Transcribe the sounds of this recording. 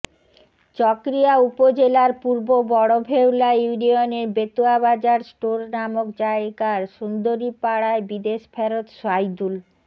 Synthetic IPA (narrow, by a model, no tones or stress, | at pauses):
t͡ɕɔkɾijaupod͡ʑelaɾpuɾbobɔɽobʱewlajuunioneɾbet̪uabad͡ʑaɾsʈoɾnamokd͡ʑaeɡaɾʃund̪oɾipaɽaebid̪eʃpʰɛɾot̪ʃajd̪ul